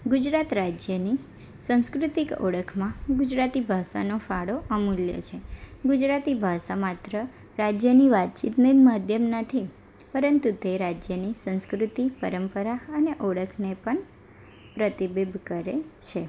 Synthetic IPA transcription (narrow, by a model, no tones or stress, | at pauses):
ɡud͡ʒɾat̪ɾad͡ʒjəni | sə̃ñskɾut̪ikɔ̰ɽəkʰmãɡud͡ʒɾat̪ibʱaʃa̰nofaɽoʔəmuljə̰t͡ʃʰeɡud͡ʒɾat̪ibʱaʃamat̪ɾə | ɾad͡ʒjəniʋat̪̚t͡ʃit̪nəmad̪ʱjəmnət̪ʰi | pəɾənt̪ut̪eɾad͡ʒjənisə̃ñskɾut̪ipəɾəmpəɾaəneʔɔɽəkʰnepəɳ | pɾət̪ibebʱkəɾet͡ʃʰe